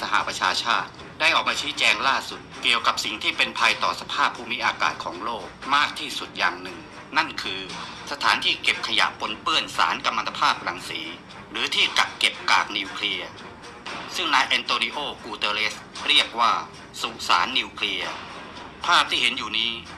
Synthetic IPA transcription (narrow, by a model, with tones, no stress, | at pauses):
sa˧ɦa̰˧˩ʔpɾa˧t͡ɕʰaː˧t͡ɕʰaː˥˩t̪̚ | da˥˩jʔɔː˨˩k̚maː˧t͡ɕʰiː˦˥t͡ɕɛː˧ŋlaː˥˩su˨˩t̪̚ki˨˩əwka˨˩p̚si˨˩ŋt̪ʰiː˥˩pe˧npʰa˧jt̪ɔː˨˩sa˧pʰaː˥˩pʰːuː˥˩mi˦˥ʔaː˧ka̰ː˨˩t̪̚kʰɔː˩˦ŋloː˥˩k̚maː˥˩k̚t̪ʰiː˥˩su˨˩t̪̚ja̰ː˨˩ŋnɯ˨˩ŋ | na˥˩nkʰɯː˧ | sa˧t̪ʰaː˩˦nt̪ʰiː˥˩ke˨˩p̚kʰa˧ja̰˨˩ʔpʰo˧npɯ˥˩ənsa̰ː˩˦nka˧mːa˧t̪ʰa˧pʰaː˥˩p̚ɾa˨˩˦ŋsiː˩˦ | ɾɯː˩˦t̪ʰiː˥˩ka˨˩kːe˨˩p̚kaː˨˩k̚niː˧wkʰli˧ɐ | sɯ˥˩ŋnaː˧jʔɛ˧nt̪oː˧ni˧˥ʔoː˥˩kuː˧t̪ɤː˧le˦˥s | ɾi˥˩ək̚waː˥˩ | su˨˩ʔsaː˩˦nːi˧wkʰli˧ɐ | pʰaː˥˩p̚t̪ʰiː˥˩he˩˦njuː˨˩niː˦˥